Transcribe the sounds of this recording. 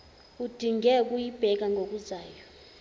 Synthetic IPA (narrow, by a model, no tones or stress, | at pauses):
ud̥ʱiŋɡɛk̬ʼujib̥ʱɛk̬aŋɡʱok̬ʼuzaːjɔ